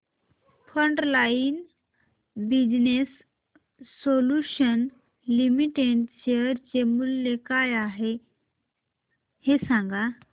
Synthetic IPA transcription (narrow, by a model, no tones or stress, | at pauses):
fəɳʈlain | bid͡ʑnesː | oluɕən | limiʈeɖt͡ɕeəɾt͡ɕemulːekajaɦe | hesãŋɡa